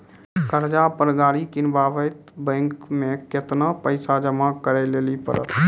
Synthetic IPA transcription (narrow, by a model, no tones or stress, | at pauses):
kəɾd͡ʒapəɾɡaːɽikɪnbaʋəjt̪bə̃ŋkmeket̪napəɪsad͡ʒəmakəɾɛlelipə̰ɾə̰t̪ʰ